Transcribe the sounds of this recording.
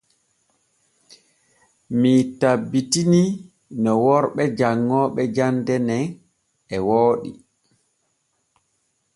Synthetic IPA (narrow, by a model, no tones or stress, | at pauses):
mitabːitini | nɔwɔɾɓɛd͡ʒaŋːɔɓɛd͡ʒandɛnɛn | ɛwoːɗḭ